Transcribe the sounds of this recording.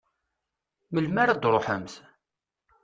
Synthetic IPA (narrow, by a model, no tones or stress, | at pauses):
məlmaɾad̪ɾˤoħəmθ